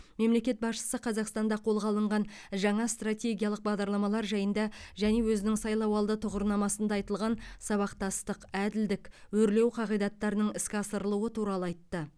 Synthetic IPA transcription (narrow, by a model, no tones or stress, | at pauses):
me̞mle̞kʲe̞t̪̚bɑsʃə̥səqʰɑzɑqst̪ɑnd̪ɑqʰo̞lˠʁɑlˠəɴʁɑn | ʒɑɴɑst̪rat̪ʲe̞ɡʲijɑlˠəq̚bɑʁd̪ɑɾlˠɑmɑlˠɑɾʒɑjənd̪ɑʒæne̞wɵzɪnɪŋsɑjlˠɑwɑlˠd̪ət̪ʰʊʁəɾnɑmɑsənd̪ɑːjt̪əlˠʁɑnsɑβɑqt̪ɑst̪əqæd̪ɪld̪ɪkwɵɾle̞wqʰɑʁijd̪ɑt̪ːɑɾənəɴɪskʲɑsəɾəlˠuət̪ʰuɾɑlˠəɑjt̪ːə